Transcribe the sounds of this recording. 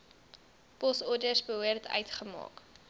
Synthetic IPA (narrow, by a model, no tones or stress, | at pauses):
pɔsɔrdərsbəɦuərtʰœ̰ɥtχəmɑ̰ːk